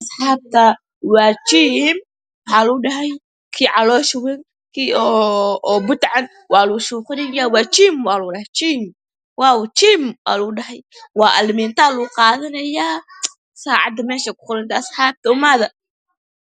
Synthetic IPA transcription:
ʔɐsħɑːb̚t̪ʰɐ | wɑːt͡ʃiːm | wħɑːluːɖɐɦɐj | kʰiːʕɑlɔːʃwɛn | kʰiːɔː | bʊt̪ʕɑn | wɑːluʃuːqʊnɐjaːwɑːt͡ʃiːmwɑːlʊːɖɐhɛjt͡ʃiːm | wɑːwt͡ʃiːmwɑ̰ːluɖɐɦɐjwɑːʔɐlmiːnt̪ʰaːluːqɑːðɐnɐjaː | saːʕɑ̰d̪ɐmɛːʃɐkʊ̥qʊɾɐnt̪ʰɐɐsħaːb̚t̪ʰɐʊmaðɐ

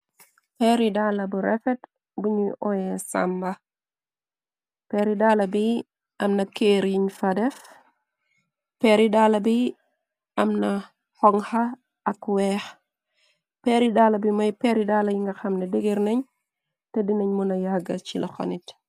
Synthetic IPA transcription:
pɛɾidaːlɐbuɾɛfɛt | buɲiʔɔjɛsa̰mbɐ | pɛːɾidaːlɐbi | ɐmnɐkeːɾjiɲfɐdɛf | pɛɾidalɐbi | ɐmnɐ | hɔŋhɐ | ɐkwɛx | pɛːɾidaːlɐbimɔjpɛɾidaːlɐjiŋɡɐxɐmnɛdeɡiɾnɐɲ | tɛdinɐɲmunɐjaɡɐt͡ʃilʔɐxɔ̰nit

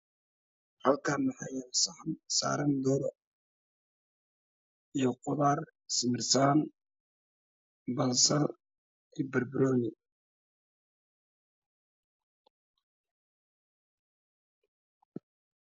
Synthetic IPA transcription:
hɐlkʰaːmɑħɑjansa̰ːɾɐnd̪ɔːɾɔ | ijɞqʊðaːr | sɪmɪrsaːn | bɐnsɐl | ɛbɐrbɪɾɔːnɪ

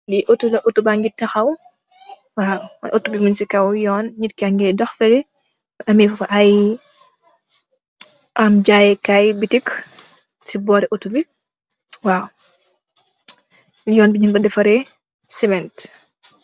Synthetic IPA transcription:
liʔotulɐʔutːubaŋɡitːɐxɐw | wawʔotːubimunsikɐwjɔːnɲitkaŋɡɛdɔxfɛli | ɐmiffɐʔɐj | ʔɐmɟaːjɛkajbitik | sibɔːɾɛʔutːubi | waw | jɔːnbiɲuŋɡɔdɛfɐɾɛ | sɛmɛnt

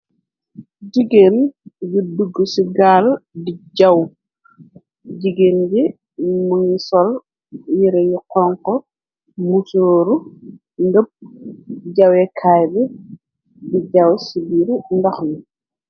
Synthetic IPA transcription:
ɟiɡenjuduɡːəsiɡaːldiɟɐw | ɟiɡeːnbi | muŋisɔl | jiɾɛɲiqɔːŋkɔ | musoːɾu | ŋɡəp̚ | ɟɐwɛkʰaːjbi | biɟɐwsibiːɾundɐxni

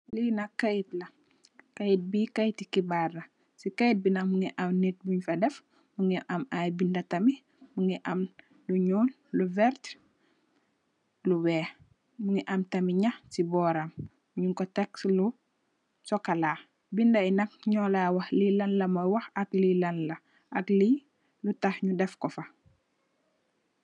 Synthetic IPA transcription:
linɐkɐjtlɐ | kɐjt̚bikɐjtikibarɐ | sikɐjt̚binɐmuŋiʔɐmnit̚buɲfɐdɛf | muŋiʔɐmajbindɐtɐmi | muŋiʔɐm | luɲul | luvɛɾt | luwɛː | muŋiʔɐmtɐmiɲɐxsibɔːɾɐm | uɲuŋkɔtɛkslu | sɔkɐlaː | bindɐinɐk̚ɲɔlawɐxlilɐnlɐmɔjwɐxɐklilɐnlɐ | ʔɐkli | lutɐxɲudɛfkɔfɐ

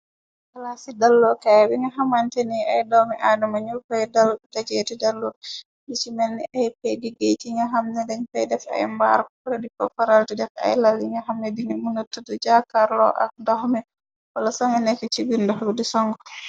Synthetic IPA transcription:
kalasidalːɔkajabiŋɡaɦamantɛniajdɔmɛʔadumaɲukajdaltad͡ʒetidalːɔ | bit͡ʃimɛnːiʔajpɛjdiɡejtiŋɡaɦamnɛdɛŋfɛjdɛfa̰jmba̰ɾkɔɾɔdipɔ̰faɾaltɛdɛka̰jlalːiŋɡaɦamnɛdiŋamunotːudɔd͡ʒakaɾlɔ̰ʔa̰k̚dɔhmɛ | walasɔŋɛnɛkɔt͡ʃibindɔɦbdɛsɔŋɡɔ

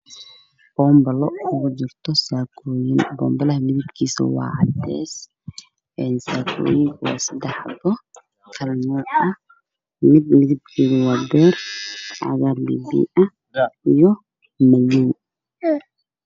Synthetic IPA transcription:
b̥ɔːmbɐlɔʔɐɣʊd͡ʒɪrt̪ʰɔsaːkʰɔːjɪnbɔːmbɐlɐɦɐmɪðɪbkʰiːsɐ̰wɑ̰ːʕɑd̪ɛ̰ːs | ʔɛːnsaːkʰɔ̰ːjɪŋkʰwɑ̰ːsɐd̪ɛħbɔ | kʰɐlnɔːʔɐ | mɪd̪mɪðɪb̚kʰiːɣɐwɑːbɛːrʕɑ̰ɣaːrlḭːbḭʔɐ | ijɔ | mɐjin

